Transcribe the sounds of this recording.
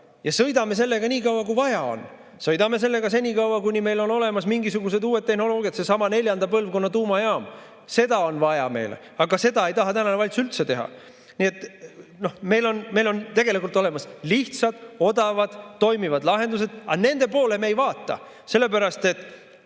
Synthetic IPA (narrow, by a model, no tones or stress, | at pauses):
jɑsɤ̞jd̪ɑme̞s̬e̞lːe̞ɡɑnʲiːkɑwwɑkujvɑjɑo̞̰n | sɤjd̪ɑme̞s̬e̞lːe̞ɡɑse̞nʲiːkɑwwɑkujnime̞jlo̞no̞le̞mɑsmiŋɡisuɡus̬e̞d̪uːe̞t̪ːe̞hno̞lo̞ːɡ̥jɑt̪se̞sɑmɑne̞lʲjɑnd̪̥ɑpɤlvko̞nːɑt̪uːmɑjeɑːm | se̞d̪ɑo̞nvɑjɑ̰me̞̰jlḛ | ɑɡɑse̞d̪ɑe̞jt̪ɑɦɑt̪ænɑnevɑlʲt̪suylt̪se̞t̪e̞ɦɑ̰ | nie̞t̪ːˑno̞me̞jlo̞nme̞jlo̞nt̪e̞ɡ̥e̞likult̪ːˑo̞le̞mɑsliht̪sɑd̪̥o̞d̪ɑvɑd̪̥ːo̞jmivɑd̪lɑɦe̞nd̪us̬e̞d̪̥ɑne̞nd̪e̞po̞ːle̞meejvɑːt̪ːˑɑ̰ | se̞lːe̞p̬æɾɑst̪e̞t̪ːˑ